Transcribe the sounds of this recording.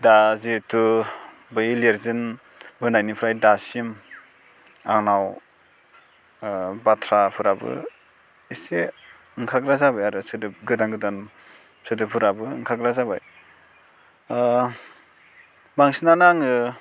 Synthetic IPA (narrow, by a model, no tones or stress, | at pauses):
dazitʰu | bɯjleɾzɯn | bɯnajnipʰɾajdasim | aŋnaw | batʰɾapʰɯɾabɯ̰ | ise | ŋkʰaɡɾazabajaɾɯsɯdɯp̚ɡɯdaŋɡɯdan | sɯdɯpʰuɾabɯŋkʰaɡɾazaba̰j | baŋsinanaŋɯ